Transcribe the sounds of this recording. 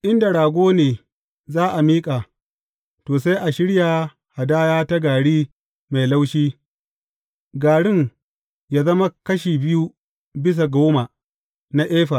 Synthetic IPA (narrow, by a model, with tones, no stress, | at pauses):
ʔɪ˦nda˨ɽaː˨ɡʷoː˦neː˨ | zaː˦ʔa˨miː˦kʼaː˨ | toː˨s̬a˦jʔa˨ʃɪ˦ɽja˨ | ha˨daː˦jaː˦ta˦ɡaː˨ɽiː˦ | ma˨jla˦wʃiː˦ | ɡaː˨ɽɪ˦ŋ | jaː˦zɐ˦ma˦kɐ˦ʃiː˨bɪ˦ju˦ | bɪ˦s̬a˨ɡoː˦ma˨ | na˦ʔeː˦ɸa˨